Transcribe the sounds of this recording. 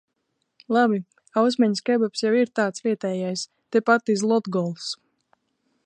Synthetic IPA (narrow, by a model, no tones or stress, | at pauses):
lˠabi | aws̬mɛɲskɛbɔpsjawiɾt̪aːt̪svʲiɛt̪ɛːjajs | t̪epat̪izlˠɔd̪ɡɔlˠs